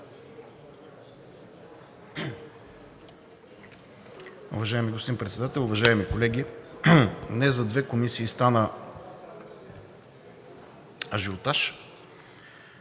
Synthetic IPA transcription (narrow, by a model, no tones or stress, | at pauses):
ṵvɐʒaɛmiɡospod̪inpɾɛt̪sɛd̪at̪ɛlˠʊvɐʒaɛmikolɛɡʲi | nɛzɐd̪vɛkomisiːst̪anə | ɐʒiot̪aʃ